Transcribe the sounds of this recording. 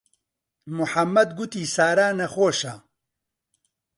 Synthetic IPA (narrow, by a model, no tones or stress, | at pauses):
mʊħɐmːɐd̪ɡʊt̪iːsaːɾaːnɐxoːʃa